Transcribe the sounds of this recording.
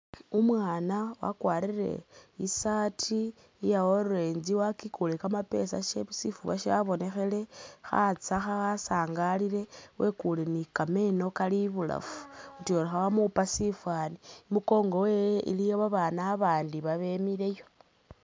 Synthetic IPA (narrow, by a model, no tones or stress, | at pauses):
umwaːnawa̰kwaːɾiɾe̞̰isatʰi | jawoɾuɾe̞ːnziwakikulekamape̞̰sa̰ʃesifuβa̰ʃaβo̞ne̞xe̞le̞xa̰t͡saxaasaːŋɡaliɾe̞wʔe̞kulenikame̞no̞kaliβula̰fu̥utioɾaxawamupasifwaːniimuko̞ːŋɡo̞wejḭlijoβaβaːnaːβaːndiβaβe̞miɾe̞jo̞